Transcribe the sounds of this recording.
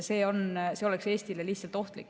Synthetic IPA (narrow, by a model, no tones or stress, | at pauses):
se̞ːo̞nse̞o̞lekse̞ːst̪ilelihtsɑlt̪ːˑo̞ht̪lḭkː